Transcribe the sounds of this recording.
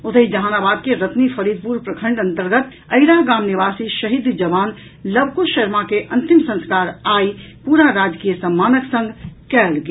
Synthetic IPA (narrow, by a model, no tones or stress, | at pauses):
ot̪əɦid͡ʒəɦaːnabad̪̚keɾət̪nipʰəɾid̪̚puɾpɾəkʰə̃ɳɖə̃nt̪əɾɡət̪ | əɪɾaɦɡaːmniʋasiʃəɦid̪d͡ʒəbaːn | ləbkuʃəɾmakeʔənt̪imsə̃nskaɾaipuɾaɾad͡ʒkijəsəmːaːnəksə̃ŋɡkɛlɡe